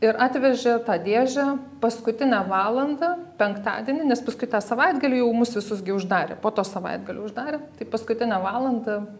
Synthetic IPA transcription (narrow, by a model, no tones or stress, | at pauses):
ɪɾʔɑːt̪ʲʋʲɛʒʲɛt̪ɑːd̪ʲeːʒʲæpɐskʊt̪ʲɪnʲɛːʋɑːlˠɐnd̪ɐpʲɛŋkt̪ɑ̰ːd̪ʲiɛnʲɪnʲɛspɐskʊɪt̪ɑːsɐʋɐɪd̪ɡɐlʲiːjɛʊmʊsʋʲɪsʊsɡʲɪʊʒd̪ɑːɾʲḛpoːt̪oːsɐʋɐ̰ɪd̪ɡɐlʲoːʊʒd̪ɑːɾʲeːt̪ɐɪpɐskʊt̪ʲɪnʲæːʋɑːlˠɐnd̪ɐ